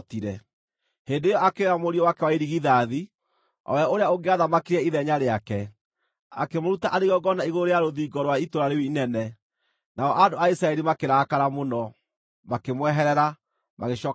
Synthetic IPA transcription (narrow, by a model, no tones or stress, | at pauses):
tiɾɛ | heːndeːjɔakeeɾamoɾiɔwakɛwaiɾiɣiðaði | ɔ̰wɛoɾeaoɡeaðamakiɾɛiðɛɲaɾeakɛ | akemoɾutaʔaɾeɣɔɡɔnaiɣooɾejaɾoðiːɡɔɾowaitoɾaɾewiinɛnɛ | naɔʔadoaisɾaɛɾimakeɾakaɾamonɔ | makemwɛɦɛɾɛɾa | maɣeɕɔ